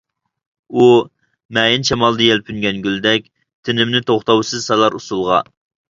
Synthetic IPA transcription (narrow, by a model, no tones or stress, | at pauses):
u | mɛːjɪnʃɛmɑlˠd̪ɨjɛlpʰynɡʲɛnɡʲyld̪ɛk̚ʲ | t̪ʰɪnɪmnɪt̪ʰoχt̪ɑwsɨzsɛlˠɑɾusulˠʁɑ̰